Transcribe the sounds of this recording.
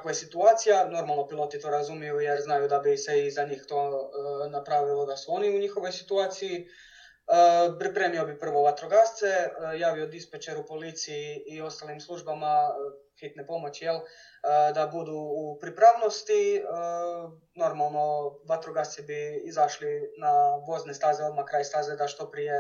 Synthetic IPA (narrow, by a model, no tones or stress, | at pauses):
akʋojesit̪uaːt̪sijano̞ɾmalˠno̞pilˠo̞t̪it̪o̞ɾazumjijujeɾznajud̪abiseizaɲiːxt̪o̞ːnapɾaʋilo̞d̪asuo̞niuɲixo̞ʋo̞jsit̪uaːt̪siji | əpɾipɾe̞ːmio̞bipr̩ʋo̞ʋat̪ɾoɡast̪se̞jaːʋio̞d̪ispet͡ʃeɾupo̞lit̪sijiːo̞st̪alimslˠuʒbama | xit̪nepo̞mo̞t͡ɕijel | d̪abud̪uːpɾipɾaʋno̞st̪iə | no̞ɾmalˠno̞ʋat̪ɾoɡast̪sibiizaʃlinaʋo̞znest̪aːzeo̞d̪makɾaːjst̪aːzed̪aʃt̪o̞pɾije